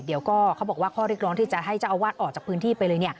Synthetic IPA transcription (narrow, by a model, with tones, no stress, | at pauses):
di˨˦əwkɔː˥˩kʰa˦˥wbɔː˨˩kwaː˥˩kʰɔː˥˩ɾi˥˩k̚ɾɔː˦˥t̪iː˥˩t͡ɕa˨˩ɦa˥˩jt͡ɕa˨˩ʔa˧waː˥˩t̪̚ʔɔː˨˩t͡ɕaː˨˩pʰɯː˦˥nt̪ʰiː˥˩pa˧jlɤː˧ni˥˩ə